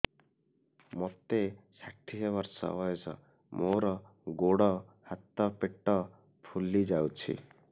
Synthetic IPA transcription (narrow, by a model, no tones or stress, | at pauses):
mɔt̪esaʈʰiɦeβaɾsɔ̰bɔesɔ̰ | moɾɔ | ɡoɽɔhat̪ɔpeʈɔ | pʰulid͡ʒawt͡ʃʰḭ